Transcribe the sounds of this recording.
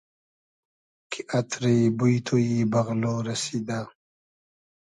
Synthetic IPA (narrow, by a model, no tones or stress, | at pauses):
kʰiʔɐt̪ʰɾebujt̪ʰojibɐɣloːɾɐsid̪a